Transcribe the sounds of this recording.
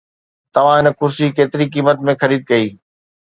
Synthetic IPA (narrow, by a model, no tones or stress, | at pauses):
t̪ɐʋ̤ãɦɪnə̆kʊɾsikeːt̪ɪɾikiːmət̪mẽxɐɾiːd̪̚kɐiː